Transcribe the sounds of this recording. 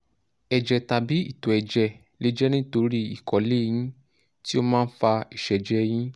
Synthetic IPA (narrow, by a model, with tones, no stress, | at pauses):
ɛ˨d͡ʒɛ˨ta˨bi˨˦ḭ˦˨tɔ˨ɛ˨d͡ʒɛ˧˨ | le˦d͡ʒɛ˦nĩ˦to˧ɾi˦i˨kɔ˨˦le˦j̃ĩ˦ | ti˦o˧mãː˦n̩˦fa˧i˨ʃɛ˨d͡ʒɛ˧j̃ĩ˦